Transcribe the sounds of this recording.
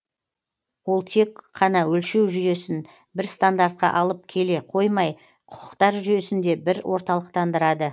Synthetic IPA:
wo̞lˠt̪ʰe̞kqʰːɑnɑwɵlʃe̞wʒʏje̞sɪn | bɪɾst̪and̪aɾt̪̚qɑ̰ʔɑlˠəp̚kʲʰe̞le̞qʰo̞jmɑj | qʰʊ̥qʰəqt̪ɑɾʒʏje̞sɪnd̪e̞bɪɾwʔo̞ɾt̪ɑlˠəq̚t̪ʰɑnd̪əɾɑd̪ə

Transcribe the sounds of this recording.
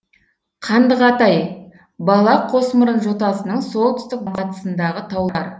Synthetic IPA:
qʰɑnd̪əʁɑt̪ɑj | bɑlˠɑqʰo̞sməɾənʒo̞t̪ɑsənəɴso̞lˠt̪ʰʏ̥st̪ɪk̚bqɑt̪ə̥sənd̪ɑʁət̪ʰɑwlˠɑɾ

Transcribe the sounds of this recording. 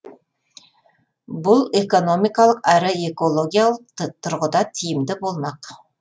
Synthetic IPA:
bʊlˠeko̞no̞mijkɑlˠəqæɾɪe̞ko̞lˠo̞ɡʲijalˠəqt̪ʰːʊɾʁəd̪ɑt̪ʰijɪmd̪ɪbo̞lˠmɑq

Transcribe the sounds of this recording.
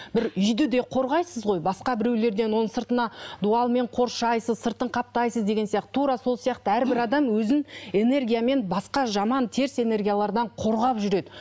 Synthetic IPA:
bɪɾʏjd̪ɪd̪e̞qʰo̞ɾʁɑjsəzʁo̞jbɑsqɑbɪɾe̞wle̞ɾd̪e̞nwo̞nəɴsəɾt̪ənɑd̪uɑlˠme̞ɴqʰo̞ɾʃɑjsəzsəɾt̪əɴqʰɑp̚t̪ɑjsəzd̪e̞ɡʲe̞nsijɑqt̪ə̥t̪ʰːuɾɑso̞lˠsijɑqt̪əæɾbɪɾɑd̪ɑmwɵzɪne̞ne̞rɡʲijame̞nbɑsqɑʒɑmɑnt̪ʰe̞ɾse̞ne̞rɡʲijalˠɑɾd̪ɑɴqʰo̞ɾʁɑpʒʏɾe̞d̪ɪ

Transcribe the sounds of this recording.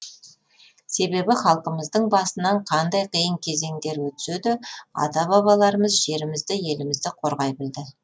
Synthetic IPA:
se̞be̞bɪχɑlˠqəməzd̪əɴbɑsənɑɴqʰɑnd̪ɑjqʰijəɴkʲʰe̞ze̞ŋd̪e̞ɾwɵt̪ɪ̥sed̪ɪɑ̰t̪ɑbɑβɑlˠɑɾəməzʒe̞ɾɪmɪzd̪ɪje̞lɪmɪzd̪ɪqʰo̞ɾʁɑjbɪld̪ɪ

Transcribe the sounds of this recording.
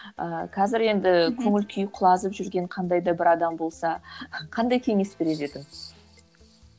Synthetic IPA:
əqʰɑzɪɾe̞nd̪ɪkʲʰɵŋɪlkʲʰʏjqʰʊlˠɑzəpʒʏɾɡʲe̞ɴqʰɑnd̪ɑjd̪ɑbɪɾɑd̪ɑmbo̞lˠsɑqʰɑnd̪ɑjkʲʰe̞ŋe̞sbe̞ɾe̞t̪e̞d̪ɪm

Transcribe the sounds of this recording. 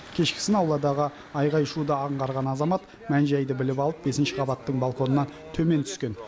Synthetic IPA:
kʲʰe̞ʃkʲɪ̥sɪnɑwlˠɑd̪ɑʁə | ɑjʁɑjʃud̪əɑɴʁɑɾʁɑnɑzɑmɑt̪ | mænʒæjd̪ɪbɪlɪpɑlˠəp̚be̞sɪnʃɪqʰɑbɑt̪ːəɴbalˠko̞nənɑn | t̪ʰɵme̞nt̪ʰʏ̥skʲe̞n

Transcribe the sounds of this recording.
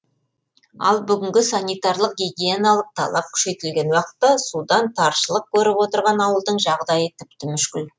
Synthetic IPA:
ɑ̰lˠbʏɡʲɪŋɡʲɪsɑnijt̪ɑɾlˠəq̚ɡʲiɡʲijenɑlˠəq̚t̪ʰɑ̰lˠɑp̚kʲʰʏ̥ʃe̞jt̪ɪlɡʲe̞nwɑqə̥t̪ːɑsud̪ɑnt̪ʰɑɾʃəlˠəq̚kʲʰɵɾɪpwo̞t̪əɾʁɑnɑwəlˠd̪əɴʒɑʁd̪ɑjət̪ʰɪpt̪ɪmʏʃkʲɪl

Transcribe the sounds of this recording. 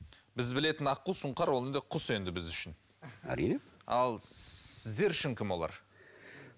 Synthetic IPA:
bɪzbɪle̞t̪ɪnɑqːusʊɴqɑɾwo̞lˠend̪eqʰʊse̞nd̪ɪbɪzʏʃɪn | æ̰ɾḭneɑ̰lˠɪzd̪e̞ɾʏʃɪŋkʲʰɪmbo̞lˠɑ̰ɾ

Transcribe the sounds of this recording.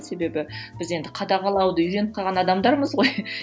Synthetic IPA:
se̞be̞bɪb̥ɪze̞nd̪ɪqʰɑd̪ɑʁɑlˠɑwd̪əʏjɾe̞nɪp̚qʰɑʁɑnɑd̪ɑmd̪ɑɾməzʁo̞j

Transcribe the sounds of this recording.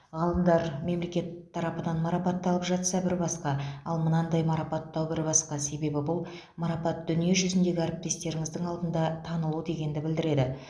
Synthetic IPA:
ʁɑlˠəmd̪ɑɾme̞mle̞kʲe̞t̪ʰːɑɾɑpəd̪ɑnmɑɾɑpɑt̪ːɑlˠəpʒɑt̪sɑbɪɾbɑsqɑɑlˠmənɑnd̪ɑjmɑɾɑpɑt̪ːɑwbɪɾbɑsqɑse̞be̞bɪbʊlˠ | mɑɾɑpɑt̪̚d̪ʏnije̞ʒʏzɪnd̪e̞ɡʲɪæɾɪp̚t̪e̞st̪e̞ɾɪŋɪzd̪ɪŋɑlˠd̪ənd̪ɑt̪ʰɑnəlˠud̪e̞ɡʲe̞nd̪ɪbɪld̪ɪɾe̞d̪ɪ

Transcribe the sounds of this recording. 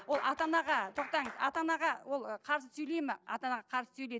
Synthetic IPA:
wolˠɑt̪ɑnɑʁɑt̪ʰo̞q̚t̪ɑɴəzɑ̰t̪ɑnɑʁɑwo̞lˠqʰɑɾsəsɵjle̞jmɪɑt̪ɑnɑʁɑqʰɑɾsə̥sɵjle

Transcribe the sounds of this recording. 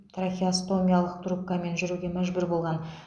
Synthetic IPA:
t̪ʰrafʲiast̪o̞mʲijalˠəqt̪rup̚kːame̞nʒʏɾuɡʲe̞mæʒbɪɾbo̞lˠʁɑn

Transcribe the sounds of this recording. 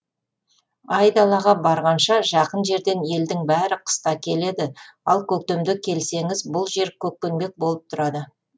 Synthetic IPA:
ɑjd̪ɑlˠɑʁɑbɑɾʁɑnʃɑʒɑqənʒe̞ɾd̪e̞ne̞ld̪ɪŋbæɾɪqʰə̥st̪ɑkʲʰe̞le̞d̪ɪɑlˠkʲʰɵk̚t̪emd̪ɪkʲʰe̞lse̞ŋɪzbʊlˠʒe̞ɾkʲʰɵk̚penbe̞k̚bo̞lˠəp̚t̪ʰʊɾɑd̪ə

